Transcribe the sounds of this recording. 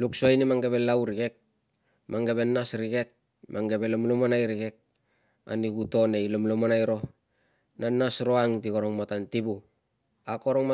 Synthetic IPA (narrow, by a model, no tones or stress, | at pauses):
luksoajnimaŋɡe̞βe̞lawɾiɡe̞k̚ | maŋɡe̞βe̞nːasɾiɡe̞k̚ | mʔaŋɡe̞be̞lomlomanajɾiɡe̞k̚ | a̰niɡuto̞ne̞jlomlomanajɾo̞ | nanːasɾoaŋtikoɾoŋmatantibu | akoɾoŋma